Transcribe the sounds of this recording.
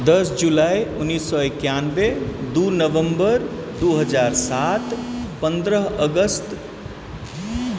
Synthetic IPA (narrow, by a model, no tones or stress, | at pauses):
d̪əsd͡ʒulaiunːisːɔekjanbed̪uɾnəʋəmbəɾd̪uɦəd͡ʒaɾsat̪pə̃nd̪ɾəɦəɡəst̪